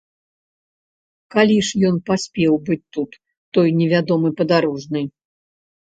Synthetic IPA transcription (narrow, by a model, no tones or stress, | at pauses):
kalʲiʂjɔnpasʲpʲɛwbɨt͡sʲt̪ut̪ː | ɔjnʲɛvʲad̪ɔmɨpɐd̪aɾɔʐnɨj